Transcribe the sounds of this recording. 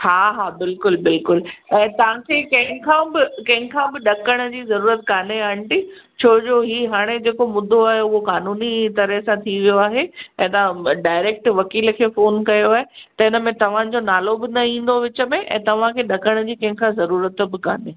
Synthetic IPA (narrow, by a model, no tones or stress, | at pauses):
haːɦaːbɪlkʊlbɪlkʊlɛ̃ːt̪ɐʋ̤ãkʰeːkɐ̃ɦɪ̃kʰãbɪkɐ̃ɦɪ̃kʰãbɪɗɐkəɽ̃əd͡ʑiːzɐɾuːɾət̪kaːneaːɦɪɽ̃ʈ̪it͡ɕʰoːd͡ʑoːɦiːɦaːɽ̃ed͡ʑeːkomʊd̪ʱoaːɦeʊɦokaːnuːnit̪ɐɾəɦsãt̪ʰiʋijoaːɦeɛ̃ːt̪ɐʋ̤ãɖaːɪɾeːk̚ʈʋɐkiːlkʰeːfoːnkɐjoaːɦet̪ɐɪnəmẽt̪ɐʋ̤ãd͡ʑonaːlobɪnɐĩːn̆d̪oʋɪt͡ɕə̆mẽʔɛ̰̃ːt̪ɐʋ̤ãkʰeːɗɐkəɽ̃d͡ʑiːkɐ̃ɦɪ̃kʰãzɐɾuːɾət̪bɪka̰ːneː